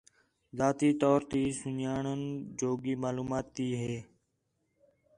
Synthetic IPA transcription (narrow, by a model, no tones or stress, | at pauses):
zaːt̪iːt̪ɔːɾt̪iːsʊnjaːɳənd͡ʒoːɡiːmaːluːmaːt̪ːiːɦeː